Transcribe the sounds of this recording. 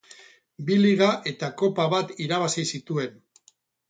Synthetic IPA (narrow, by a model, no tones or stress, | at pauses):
biliɣ̞aʔe̞t̪ako̞paβat̪iɾaβ̞asisit̪ue̞n